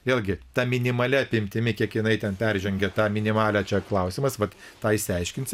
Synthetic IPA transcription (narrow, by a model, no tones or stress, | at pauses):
ʋʲeːlˠʲɡʲɪt̪ɑːmʲɪnʲɪmɐlʲɛɐpʲɪmʲt̪ʲɪmʲɪkʲiɛkjɪnɐɪt̪ʲɛnpʲɛrʲʒʲɛŋʲɡʲɛt̪ɑːmʲɪnʲɪmɑːlʲæːt͡ʃʲɛklˠɐʊsʲɪmɐsʋɐt̪t̪ɑːɪʃsʲɪɛɪʃʲkʲɪnʲsʲ